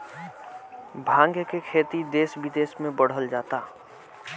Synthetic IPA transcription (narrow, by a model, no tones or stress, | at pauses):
bʱãːŋɡjəkekʰeːt̪id̪eːsʋɪd̪eːsmẽbəɽ̤əld͡ʒaːt̪aː